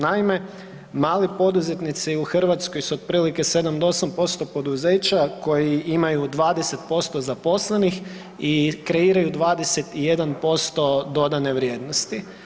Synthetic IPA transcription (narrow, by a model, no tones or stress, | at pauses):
naime̞ | maːlipo̞d̪uze̞t̪nit̪siuxr̩ʋat̪sko̞jsuod̪̚pɾiːlike̞se̞d̪amd̪oosampo̞st̪o̞po̞d̪uze̞ːt͡ɕako̞jiimajud̪ʋaːd̪ese̞t̪̚po̞st̪o̞zapo̞sle̞nix | ikɾe̞iːɾajud̪ʋaːd̪e̞se̞t̪ije̞d̪anpo̞st̪o̞d̪o̞d̪ane̞ʋɾje̞ːd̪nost̪i